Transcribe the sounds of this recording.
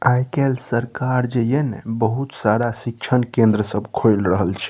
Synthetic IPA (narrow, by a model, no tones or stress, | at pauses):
ajkelsəɾkaɾd͡ʒejenebəɦut̪saɾasik̚t͡ʃʰənkẽnd̪ɾəsəbkʰojlɾəɦəlt͡ʃʰɛ̥